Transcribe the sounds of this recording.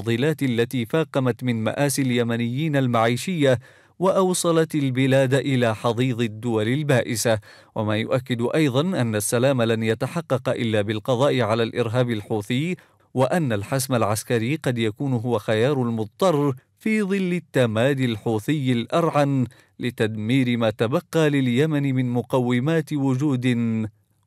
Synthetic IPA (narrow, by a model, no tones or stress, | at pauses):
ðˤɨlaːt̪alːat̪iːfaːqɑmat̪mɪnma̰ʔaːsɪljamanɪjːiːnalmaʕiːʃɪjːa | waʔɑwsˤɑlɑt̪albɪlaːd̪ʔɪlaːħɑðˤiːðˤɪd̪ːʊwalɪlbaːʔɪsa | wamaːjʊ̰ʔakːɪd̪ʔɑjðˤɑnʔanːasːalaːmalanjat̪aħɑqːɑqʔɪlːaːbɪlqɑðˤɑːʔɪʕalaːlʔɪɾɦaːbɪlħuːθɪj | waʔanːalħasmalʕaskaɾiːqɑd̪jakuːnʊɦʊwaxajɑːɾˤʊlmʊt̪ˤt̪ˤɑrˤː | fiːðˤɨlːɪt̪ːamaːd̪ɪlħuːθɪjːɪlʔɑɾˤʕan | lɪt̪ad̪miːɾɪmaːt̪abɑqːɑːlɪljamanɪmɪnmʊqɑwːɪmaːt̪wʊd͡ʒuːd̪ɪn